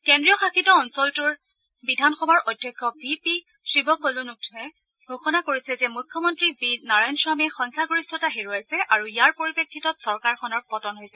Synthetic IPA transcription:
kendɹijɔxakitɔɔnsɔltʊɹ | bidʱanxɔbaɹɔjdʱːjɔkʰːɔbipi | sɹibɔkolunuk̚tʰɛ | ɡʱoxɔnakoɹisɛzɛmukʰːjɔmɔntɹibidnaɹajnswamɛxɔŋkʰaɡoɹistʰɔtaɦeɹuajsɛʔaɹuijaɹpoɹipekʰːitɔtsɔɹkaɹxɔnɔɹpɔtɔnɦojsɛ

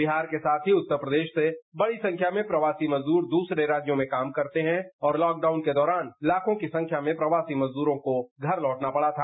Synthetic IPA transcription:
bɪɦaːɾkesaːt̪ʰɦiʊt̪ːəɾpɾəd̪eːʃsebɐɽisɐ̃ŋkʰjamẽpɾɐʋaːsimɐzd̪uːɾd̪uːsɾeɾaːd͡ʒjõmẽkaːmkɐɾt̪eɦɛ̃ɔːɾlɔːk̚ɖaːʊnked̪ɔːɾaːnɪlaːkʰõkisɐ̃ŋkʰjamẽpɾɐʋaːsimɐzd̪uːɾõkoɡʱɐɾlɔːʈnapɐɽat̪ʰaː

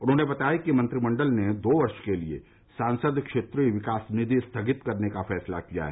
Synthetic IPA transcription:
ʊnɦõːnebɐt̪aːjikimɐ̃nt̪ɾimɐ̃ɳɖəlned̪oːʋɐɾʃkeliḛ | sãːnsəd̪kʃeːt̪ɾiʋɪkaːsnɪd̪ʱist̪ʰɐɡɪt̪kɐɾnekafɛːsla̰kija̰ɦɛ̰

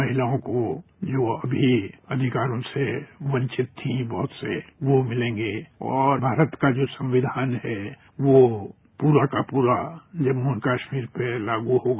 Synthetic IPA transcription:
mɐɦɪlaõkod͡ʒoːɐbʱiɐd̪ʱɪkaːɾõseʋɐ̃ɲt͡ʃɪt̪ːʰĩbɔɦʊt̪seʋomɪlẽːŋɡeːɔːɾbʱaːɾət̪kad͡ʒoːsɐ̃mʋɪd̪ʱaːnɦɛ | ʋo | puːɾakapuːɾad͡ʒɐbunkaːʃmiːɾpelaːɡuɦoɡa

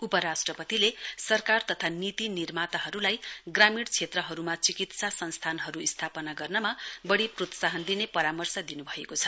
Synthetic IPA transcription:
upʌɾasʈrʌpʌt̪ilesʌrkart̪ʌt̪ʰanit̪inirmat̪aɦʌɾulajɡramiɽt͡sʰet̪rʌɦʌɾumat͡sikit̪sasʌnst̪ʰanɦʌɾuist̪ʰapʌnaɡʌrnʌmabʌɽiprot̪saɦʌnd̪inepʌɾamʌrsʌd̪inubʱʌekot͡sʰʌ

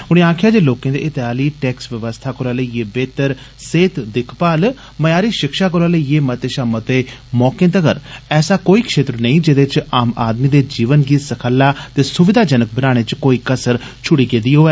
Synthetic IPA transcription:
ʊɽ̃ĩːaːkʰjaːd͡ʒeːloːkẽːd̪ḛːʔɪt̪eɦaːliːʈɛːksʋəʋəst̪ʰaːkʊɾaːləiːeːbeːt̪əɾ | seːt̪d̪ɪkʰpaːl | məjaːɾiːʃɪkʃaːk̬oɾaːləiːeːmət̪eːʃaːmət̪eːmɔːkẽːt̪əkə̰ɾɛːsaːkoːiːkʃeːt̪ɾənəĩːd͡ʒed̪et͡ʃaːma̰ːd̪miːd̪eːd͡ʒiːʋənɡiːsəkʰəlːaːt̪eːsʊʋɪd̪aːd͡ʒənək̚bənaːɽ̃eːt͡ʃkoːiːkəsəɾt͡ʃʰʊɽiːkeːd̪iːɦoːeː

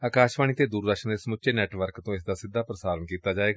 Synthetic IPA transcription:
aːkaːʃʋaːñiːt̪eːd̪uːɾd̪əkʃənd̪eːsəmʊt͡ʃeːnɛːʈʋəɾkt̪õːɪsd̪aːsɪd̪ːaːpɾəsaːɾənkiːt̪aːd͡ʒaːeːɡaː

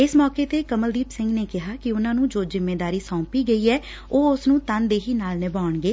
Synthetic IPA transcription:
ɪsmɔːkeːt̪eːkəməld̪iːpsɪ̃ŋɡneːkɪɦaːkɪʊnãːnũːd͡ʒoːzɪmːeːd̪aːɾiːsɔ̃ːpiːɡəiːɛː | oːʊsnũːt̪ənd̪eːɦiːnaːlnɪbaːʊɳɡeː

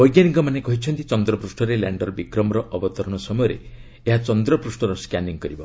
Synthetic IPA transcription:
bɔjɡjaniŋkɔmanekɔɦit͡ʃʰɔnt̪it͡ʃɔnd̪ɾɔpɾusʈɔɾela̰ɳɖɔɾbikɾɔmɔɾɔʔɔbɔt̪ɔɾɔɽ̃ɔsɔmɔjɔɾḛ | eɦat͡ʃɔnd̪ɾɔpɾusʈɔɾɔskaniŋkɔɾibɔ

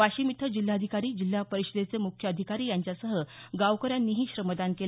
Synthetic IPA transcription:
aɕiːmit̪ʰəd͡ʑilːaəd̪ʱikaɾiːd͡ʑil̤ːapəɾiɕəd̪et͡semukʰjəəd̪ʱikaɾiːjaɲt͡ɕjasəɦəɡaʋkəɾjanːiːɦiːɕɾəməd̪ankel

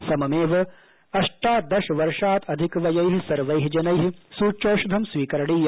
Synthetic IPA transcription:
sɐmɐmeːʋɐ | ɐʂʈaːd̪ɐʃɐʋɐɾʂaːt̪ʰɐd̪ʱikɐʋɐjɐjɦisɐɾʋɐjɦid͡ʒɐnɐjɦisuːt͡ʃoːʃud̪ʱɐmsʋiːkɐɾɐɽiːj

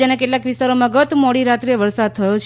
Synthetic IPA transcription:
anekeʈlakʋist̪aɾomãɡət̪mɔɽiɾat̪ɾeʋəɾsad̪̚t̪ʰəjot͡ʃʰ

